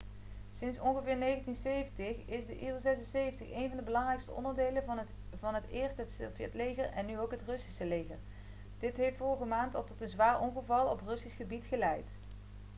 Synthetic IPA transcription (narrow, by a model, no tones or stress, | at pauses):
sɪnsɔnɣəvɪːɹnejɣəntinsejvəntɪχɪsdəʔiːlzɛsənsejvəntəχejnvɑndəbəlɑŋrɛjkstəɔ̰ndəɹdejlə | vɑnɦətɪːɹstɦətsvjɛtlejɣəɹɛnːyowkɦətrɵsi̥səlejɣə̰ɹ | d̥ɪtɦejftfɔɹəɣəmaːntɑlˠtɔtənzʋaːɹʔɔŋχəvɑlˠɔprɵsisχəbitχəlɛjt